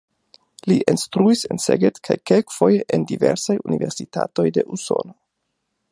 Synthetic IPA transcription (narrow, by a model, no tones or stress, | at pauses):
liʔenstɾuise̞nseɡetkʰajkelkfo̞jeʔendive̞ɾsajunive̞ɾsita̰to̞jde̞ʔuso̞̰no